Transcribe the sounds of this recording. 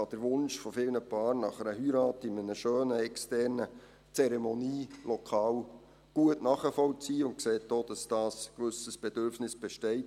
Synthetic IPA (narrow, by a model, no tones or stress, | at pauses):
ɑd̥əɾʋʊnʃfɔfɪlnəpɑːrnɑχəɾəhyɾɑːtɪmənəʃøːnəɛkstɛrnə | t͡sɛɾɛmoniːlɔkʰɑːw | ɡ̥uətnɑːχəfɔlt͡siːʊntkseːt̚doːd̥ɑsd̥ɑːskʋʏsəsb̥ɛd̥øɾfnɪsb̥ɛʃtɛɪt